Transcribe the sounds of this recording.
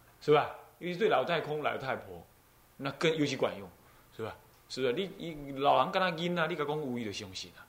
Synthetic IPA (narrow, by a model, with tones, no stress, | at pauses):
sɨ˧˩a˧˩i˧ɕi˧t̪we˥˨a˨˦wt̪ʰa˥˧˩jkʰɔ˦ŋla̰˨˦wt̪ʰa˥˧˩jpʰɔ˨˩˦ | nã˧kə˥˧˨ni˧ɕi˧kwã̰˨˩njɔ˧˩˦ŋ | sɨ˧˩a˨˧˩ | sɨ˧˩a˧˩li˦˧i˧la˨wla˨˧˦ŋka˧nã˧ɡi˦na˧li˦˧ka˧kɔ˦ŋu˧i˧d̪ə˨˩ɕjɔ˧ŋɕḭ˨˩na˨